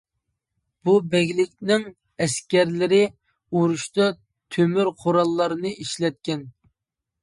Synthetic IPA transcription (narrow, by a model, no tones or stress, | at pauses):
b̥ubɛɡʲlɪkʲnɪŋ | ɛskʲɛɾlɪɾɪ | uɾuʃt̪ɑ | t̪ʰømyɾqʰoɾɑlˠːɑɾɨnɨʔiʃlɛt̪̚kʲɛn